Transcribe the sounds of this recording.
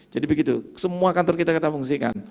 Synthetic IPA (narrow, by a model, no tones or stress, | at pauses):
d͡ʒadibəɡit̪usəmuakant̪ɔrkit̪akat̪apuŋs̬ika̰n